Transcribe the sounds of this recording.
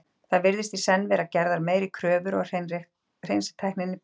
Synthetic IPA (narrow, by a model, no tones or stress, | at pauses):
θaðvɪɾðɪst̪isɛnːvɛːɾacɛɾðaɾmeːjɾɪkʰɾœːvʏɾɔɣr̥ | r̥ejnst̪ʰɛjhknɪnːɪ